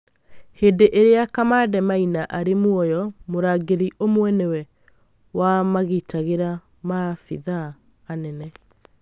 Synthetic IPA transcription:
heːdeʔeɾeakamadɛmainaʔaɾemwɔjɔmoɾaːɡeɾiʔomwɛnewɛ | wamaɣitaɣeɾa | mafḭðaː | nɛnɛ

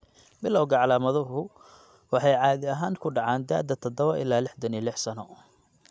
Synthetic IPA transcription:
bɪlɐwɡɐʕɑlaːmɐðɐɦʊ | wɑħɑjʕɑːðɪɐɦaːŋkʰʊɖɑʕɑːnd̪aːd̪ɐt̪ʰɔd̪ɔβɐʔɪ̰lːaːlɪħd̪ɐnilɪħsɐnɔː

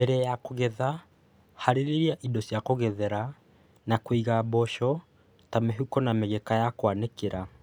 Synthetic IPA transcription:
ɛɾɛjakoɣɛða | haɾeɾeɾiaʔidɔsjakoɣɛðɛɾa | nakwiɣabɔʃɔ | tameɦukɔnameɣɛkajakwanekeɾa

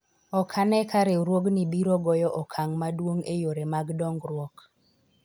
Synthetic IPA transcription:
ɔkʰanɛkaɾɛɾwoɡnibiɾɔɡɔjɔʔɔkʰaŋmadwoŋejoɾemaɡdɔŋɡɾwok

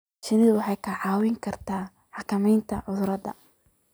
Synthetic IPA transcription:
ʃɐnɪðwɑħɑjkʰɐʕɑːwɪŋkʰɐrt̪ʰaː | ħɑkʰɐmɛjnt̪ʰɐʕʊðʊɾɐdɐ̰

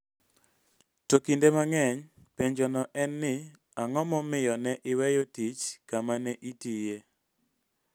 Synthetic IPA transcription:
tokindemaŋɛɲ | peɲd͡ʒɔnɔʔɛnːɪ | aŋɔmɔmɪjɔnɛʔɪwɛjotit͡ʃkamanɛʔitije

